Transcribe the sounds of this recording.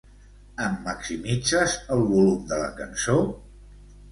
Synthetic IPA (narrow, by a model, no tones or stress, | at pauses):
əmːəksimid͡zəzəlˠβulumd̪ələ̰kənso